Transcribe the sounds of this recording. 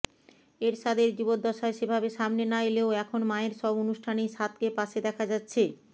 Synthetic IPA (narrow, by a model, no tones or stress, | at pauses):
eɾʃad̪eɾd͡ʑubod̪ːɔʃaeʃebʱabeʃamnenaeleoɛkʰonmaeɾʃɔbonuʃʈʰaniʃat̪kepaʃed̪ɛkʰad͡ʑatːɕʰe